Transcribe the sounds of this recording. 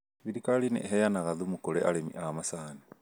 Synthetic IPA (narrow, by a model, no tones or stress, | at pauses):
βiɾikalinɛ̰ɦɛjanaɣaðumukoɾeaɾemḭʔamasaːne